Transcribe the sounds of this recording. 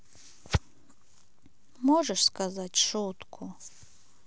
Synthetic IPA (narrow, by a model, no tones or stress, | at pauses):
mɔʐɛʂskazatʲʂut̪kʰu